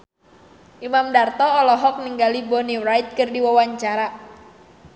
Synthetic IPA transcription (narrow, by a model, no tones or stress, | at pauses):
ʔimamdart̪ɔːlɔɦɔk̚niŋɡalibɔniɾajt̪̚kɨrdiwawaɲt͡ʃaɾa